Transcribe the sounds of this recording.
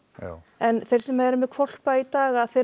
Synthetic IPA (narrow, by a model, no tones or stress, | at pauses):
ɛnθejrsɛmːaɛɾʏmːɛðkʰvɔl̥pait̪aːɣaðθe